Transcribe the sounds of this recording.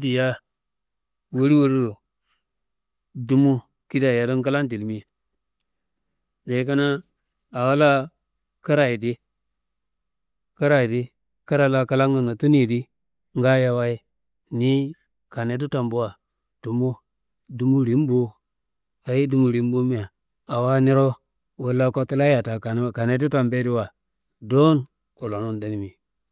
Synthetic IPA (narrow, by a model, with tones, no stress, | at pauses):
di˨ja˦ | wo˦ɾi˦wo˦ɾi˦o˨ | du˨˦mu˦ | ki˦da˨ja˨do˦nka˦la˦nd̬i˨lmi˦˨ | da˨i˦k̬a˦na˦ | a˨wa˦la˦ | ka˦ɾa˨ji˨di˦ | ka˦ɾa˨ji˨di˦ | ka˦ɾa˨la˦ka˦la˦ŋɡə˨na˨tu˦ni˨di˦ | ŋɡa˦ja˦˨wa˦i˦ | ni˦ | ka˨ne˨˦t̬u˦ta˨mbu˦wa˨ | d̥u˨mo˦ | du˨mu˦ɾi˨˦m˦bo˦ | a˨ji˦du˨mu˨ɾi˨˦m˦bo˦mi˦a˨ | a˨wa˦ni˦ɾo˦ | we˦la˦ko˦ti˦la˦ja˨ta˨ka˨˦˨ka˨ne˦t̬u˦ta˨mbe˦di˦wa˨ | do˦n | ku˨lo˨nu˦nda˨ni˨mi˨